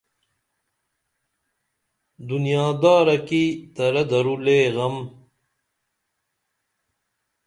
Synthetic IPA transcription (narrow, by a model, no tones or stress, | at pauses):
d̪unjaːd̪aːɾɐkit̪ɐɾɐd̪ɐɾuleːɣɐm